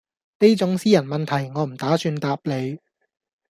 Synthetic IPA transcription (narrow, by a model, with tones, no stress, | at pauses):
ne˥jt͡sʊ˨˥ŋsiː˥jɐ˨˩nmɐ˨nt̪ʰɐ˨˩jŋɔː˨˧m̩˨˩t̪aː˨˥syː˧nt̪aː˧p̚le˨˧j